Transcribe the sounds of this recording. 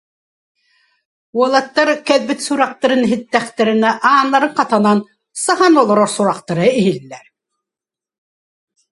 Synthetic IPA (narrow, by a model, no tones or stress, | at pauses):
uɔlˠat̪ːaɾkɛðbit̪suɾaq̚t̪aɾɯnɦit̪ːɛχt̪ɛɾinɛʔaːnːaɾɯɴqat̪anan | saɦanɔlˠɔɾɔɾsuɾaqt̪aɾɯiɦilːɛɾ